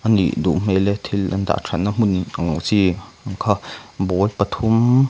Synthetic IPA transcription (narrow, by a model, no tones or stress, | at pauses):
ʔanlḭʔd̪ṵʔm̥elet̪ʰilʔand̪a̰ʔʈ͡ʂʰanam̥unaŋut͡siŋkʰabolpat̪ʰum